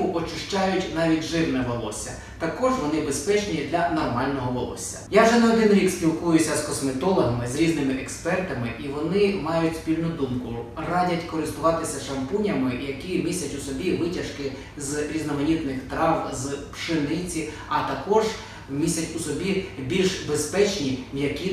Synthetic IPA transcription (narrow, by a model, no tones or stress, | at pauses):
ʊʔɔt͡ʃɪʃt͡ʃɑjʊtʲnɑʋʲitʲʒɪwnɛʋɔlˠɔ̰sʲɐ | t̪ɐkɔʒʋɔnɪbespɛt͡ʃnʲid̪lʲɐnɔrmɑlʲnɔɦɔʋɔ̰lˠɔ̰sʲːɐ̥jawʒɛnɐɔd̪ɪnɾʲikspʲilˠkujʊsʲɐskɔsmɪt̪ɔlˠɔɦɐmɪzɾʲiznɪmɪʔɛkspɛrt̪ɐmɪʔiʋɔnɪmɑjʊtʲspʲilʲnʊd̪umkʊrɑdʲɐtʲkɔɾɪst̪ʊʋɑt̪ɪsʲɐʃɐmpunʲɐmɪjɐkʲimʲisʲɐtʲʊsɔbʲiʋɪtʲɐʃkɪ | zɾʲiznɔmɐnʲit̪nɪxt̪ɾɑʋzpʃɪnɪt͡sʲi | ɐt̪ɐkɔʒ | mʲisʲɐtʲusɔbʲibʲilʲʃbespɛt͡ʃnʲijɐkʲi